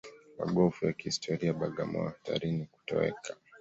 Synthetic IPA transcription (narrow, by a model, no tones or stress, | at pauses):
ma̰ɡɔfujakihistʰɔɾiaɓaɠamɔaftʰa̰ɾiniku̥tɔɛ̰kʰa